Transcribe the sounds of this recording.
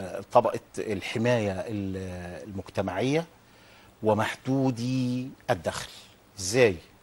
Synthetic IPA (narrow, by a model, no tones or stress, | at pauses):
t̪ˤɑbɑʔɑlħɪmæːjæɪllmʊɡt̪æmaʕɪjːæ | wɪmaħd̪uːd̪iʔæd̪ːæxl | ʔɪzːæːj